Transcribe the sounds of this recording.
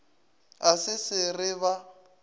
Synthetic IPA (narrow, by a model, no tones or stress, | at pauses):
asɪsɪrɪβa